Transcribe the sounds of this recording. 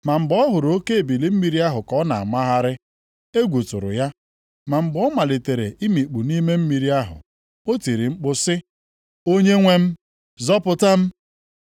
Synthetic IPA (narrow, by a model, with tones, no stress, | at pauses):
ma˨m̩˨ɡ͡bɔ˦ɦʊ˨ɾo˦ke˦e˨bi˨li˦m̩˦mi˨ɾi˦a˦ɦʊ˨kɔ˦na̰˨a̰˨ma˦ɦa˦ɾɪ˦ | e˦ɡʷu˨tʊ̰˨ɾʊ̰˨ja˦ | ma˨m̩˨ɡ͡bɔ˦ma˨le˨te˨ɾḛ˨ʔi˦mi˨k͡pu˨ni˦me˦m̩˦mi˨ɾi˦a˦ɦʊ̰˨ | o˦ti˨ɾi˨ŋ͡m̩˦k͡pʊ˦sɪ˦ | o˦ɲe˦ŋʷe˦m̩˦ | zɔ˦pʊ˨ta˦m̩˦